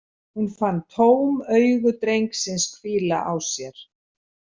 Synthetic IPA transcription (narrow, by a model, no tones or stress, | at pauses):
hunfanːt̪ʰoːwmœɥɣʏt̪ɾejŋksɪnskʰviːla̰ʔawsjɛɾ̥